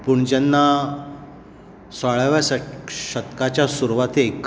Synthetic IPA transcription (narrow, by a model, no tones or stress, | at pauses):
puɳd͡ʑənːa | saɭaʋasɕət̪kat͡ɕjasuɾuʋat̪ʰeːkː